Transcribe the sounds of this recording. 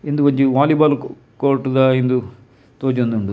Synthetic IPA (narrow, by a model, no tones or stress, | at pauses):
end̪ukɐɲd͡ʒiʋaːlibaːl | koːɾʈud̪aːend̪u | t̪oːd͡ʒɐnd̪uɳɖu